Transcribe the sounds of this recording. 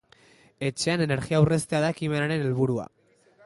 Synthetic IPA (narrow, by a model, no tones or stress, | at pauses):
e̞t͡ʃe̞ane̞ne̞ɾɣiawre̞st̪eaðaekime̞naɾe̞ne̞lβuɾua̰